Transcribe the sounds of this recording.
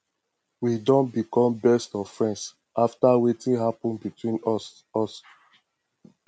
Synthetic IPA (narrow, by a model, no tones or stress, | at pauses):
widɔ̃nbikɔ̃mbɛstɔfɹɛ̃ns | ʔaftawetĩɦapɔ̃nbitwĩn | ɔs